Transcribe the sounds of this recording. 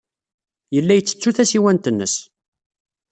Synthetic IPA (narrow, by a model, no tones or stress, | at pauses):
jəlːæjət͡sːə̥t͡sːuθæsiwænt̪ənːə̰s